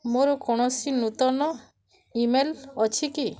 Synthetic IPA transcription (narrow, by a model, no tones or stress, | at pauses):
moɾɔkɔɽ̃ɔsinut̪ɔnɔ | imelɔt͡ʃʰiki